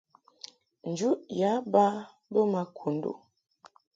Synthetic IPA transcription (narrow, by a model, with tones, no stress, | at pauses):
n̩˨d͡ʒu˦ja˨˦ba˦ | bə˦ma˨kʰu˨n̩˦do̰˨